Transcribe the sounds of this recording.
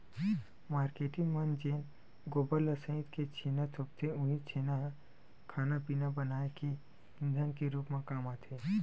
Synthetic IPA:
maːɾkeːʈɪŋmənd͡ʒeːn | ɡoːbələsə̃ɪ̃d̪ket͡ʃʰeːnat̪ʰʊp̚t̪ʰeʊ̃ɦit͡ʃʰeːnaɦ | kʰaːnapiːnabənaːeki | ɪ̃nd̪ʱankeɾuːpmẽkaːmat̪ʰeː

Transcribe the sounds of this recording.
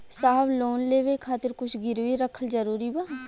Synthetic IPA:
saːbloːnleːʋeːkʰaːt̪ɪɾkʊt͡ʃʰɡɪɾʋiːɾəkʰːəlzəɾuːɾiːbaː

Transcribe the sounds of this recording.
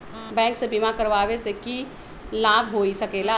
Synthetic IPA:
bɛ̃ːŋksebimakəɾʋaːweseki | laːbʱɦoːisəkeːla

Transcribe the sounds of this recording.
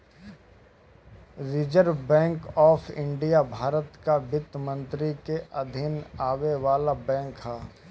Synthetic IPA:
ɾiːd͡ʒəɾbɛ̃ːŋkɔːpʰɪ̃ɳɖijabʱaːɾət̪kabɪt̪mə̃nt̪ɾikeʔɐd̪ʱɪnaːweʋaːlabɛ̃ːŋkɦaː

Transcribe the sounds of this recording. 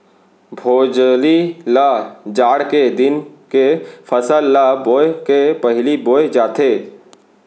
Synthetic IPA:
bʱoːd͡ʒlilad͡ʒaːɽked̪ɪnkefʰəsəlːaboːekepɐɦliboːed͡ʒaːt̪ʰeː

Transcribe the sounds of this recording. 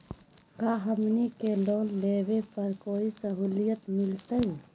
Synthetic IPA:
kaːɦɐmnikeloːlːeːwepɐɾkoːisɐɦuːlijət̪mɪlt̪əuː

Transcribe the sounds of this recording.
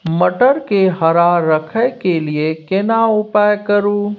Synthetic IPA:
məʈəɾkeɦɐɾaːəkʰəkeliekenaʊpajkəɾuː

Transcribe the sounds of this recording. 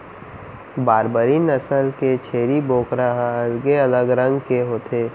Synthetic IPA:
baːɾbəɾiːnəsəlket͡ʃʰeːɾiboːkɾəɦɐlɡeɐləɡɾɐ̃ŋɡkeɦoːt̪eː

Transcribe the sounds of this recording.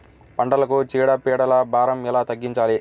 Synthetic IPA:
pɐɳɖɐlɐkut͡ʃiːɽɐpiːɽɐlɐbʱaːɾɐmilaːt̪ɐɡːiɲt͡ʃaːli

